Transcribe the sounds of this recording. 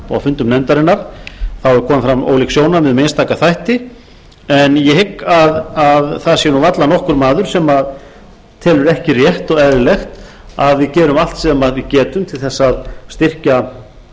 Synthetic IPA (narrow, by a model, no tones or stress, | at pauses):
ɔa̰fʏnt̪ʏmnɛnt̪aɾɪnːaɾ̥θawɛɾkʰɔːmɪfɾamo̰ːwliksjoːwnavɪðmeːjnst̪aːkaθajht̪ɪ | ɛnjɛhɪkːaðaðθaðasɛnuvat̪lanɔhkʏɾmaːðʏɾ̥sɛmað | t̪ʰɛːlʏɾɛhcɪrjɛht̪ɔɣɛðɾɪlɛxt̪ | aðvɪðcɛːɾʏmal̥t̪sɛmaðvɪðcɛːt̪ʏmt̪ʰɪlθɛsːaðst̪ɪr̥ca